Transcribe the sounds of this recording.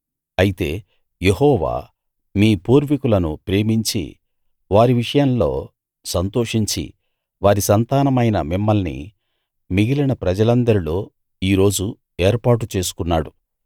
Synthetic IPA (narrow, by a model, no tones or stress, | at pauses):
ɐjit̪e̞ː | je̞ɦɔːʋa̰ː | miːpuːɾʋikulɐnupɾe̞ːmiɲt͡ʃḭ | ʋaːɾiʋiʂɐjɐmlo̞ː | sɐnt̪o̞ːʂiɲt͡ʃḭ | ʋaːɾisɐnt̪aːnɐmɐjnɐ̰mimːɐlnḭ | miɡilɐnɐpɾɐd͡ʒɐlɐnd̪ɐɾilo̞ː | iːɾo̞ːd͡ʒu | eːɾpaːʈut͡ʃe̞ːs̬u̥kunːaːɽu